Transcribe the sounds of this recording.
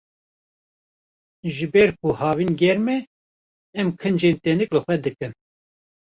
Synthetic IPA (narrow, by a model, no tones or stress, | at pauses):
ʒɨbɛɾkʰuhɑːviːnɡɛɾmɛː | mkʰɨnd͡ʒeːnt̪ɛnɨklɨxʷɛd̪ɨkɨn